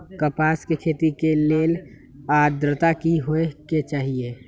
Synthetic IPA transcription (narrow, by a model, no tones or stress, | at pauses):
kəpaːskekʰeːt̪ikeleːl | aːd̪ɾət̪akiɦoeket͡ʃaːɦieː